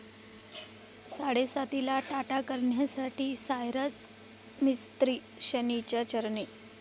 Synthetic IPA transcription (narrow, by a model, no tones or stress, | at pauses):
saɽesat̪ilaʈaʈakəɾɳjasaʈiːsajɾəs | mist̪ɾiː | ɕənit͡ɕjat͡ɕəɾɳe